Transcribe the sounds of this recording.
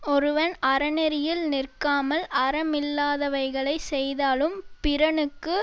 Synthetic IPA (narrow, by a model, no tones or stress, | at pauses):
ɔɾɯʋɐnɐɾɐnɛɾɪjɪlnɪrkaːmɐlɐɾɐmɪlːaːðɐʋɐɪɣɐɭɐɪsɛjðaːlɯmpɪɾɐɳɯkːɯ